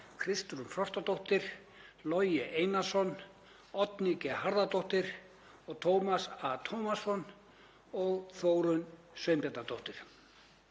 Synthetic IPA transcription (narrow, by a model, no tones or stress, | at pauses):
kʰɾɪst̪ɾʏnfɾɔr̥t̪at̪owht̪ɪɾ̥ | lɔjɛʔeːjnasɔn | ɔt̪nicɛhaɾðat̪owht̪ɪɾ̥ | ɔɣt̪ʰowmasat̪ʰowmasɔn | ɔɣθoːwɾʏn | svœɥmpɛt̪at̪owht̪ɪɾ̥